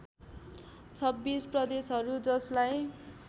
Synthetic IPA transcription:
t͡sʰʌbːisprʌd̪esɦʌɾud͡zʌslaj

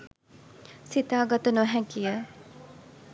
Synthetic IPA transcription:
sit̪aːɡat̪ənuɦɛkijə

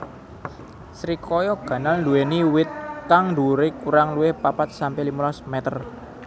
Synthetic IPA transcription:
sɾikɔjɔɡ̥ä̤nalnduweniwɪt̪̚kaŋnduɾekuɾaŋluwɪhpapat̪̚sampɛlimulɔsmɛt̪ər

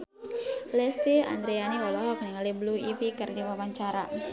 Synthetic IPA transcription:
lɛst̪ia̰nd̪ɾianiwɔlɔɦɔk̚niŋalibluipikərdiwawaɲt͡ʃaɾa

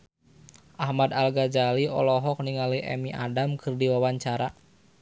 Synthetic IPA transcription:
ʔahmadalɡad͡ʒaliɔ̰lɔɦɔk̚niŋaliɛ̰miʔa̰damkʰɨrdiwawaɲt͡ʃaɾa

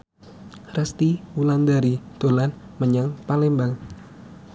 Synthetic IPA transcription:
rəst̪iwuland̪aɾid̪̥olanməɲaŋpalembaŋ

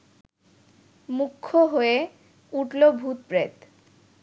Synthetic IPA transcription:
mukʰːoɦoe | uʈlobʱut̪̚pɾet̪

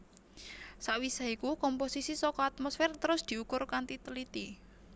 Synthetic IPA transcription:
saʔwisaikukɔmposisisɔkɔat̪̚mɔsfɛrt̪əɾʊsd̪̥i̤ukʊrkant̪it̪əlit̪i

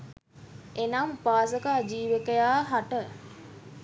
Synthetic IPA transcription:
enampaːsəkaːd͡ʒiːʋəkəjaːɦaʈə

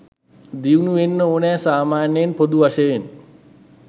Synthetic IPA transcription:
d̪iunuʋenːəoːnɛːsaːmaːnjenpod̪uʋaʃəjen

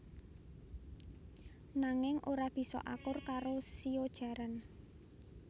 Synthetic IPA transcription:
naŋɪŋʔoɾab̥i̤sɔ̰ʔakʊrkaɾosiod̥ʒ̥a̤ɾən

